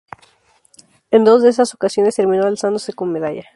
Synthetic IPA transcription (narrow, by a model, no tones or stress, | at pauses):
end̪o̞zðeesaso̞kasjo̞ne̞st̪e̞ɾmĩnoalsand̪o̞se̞ko̞nme̞ðaʝa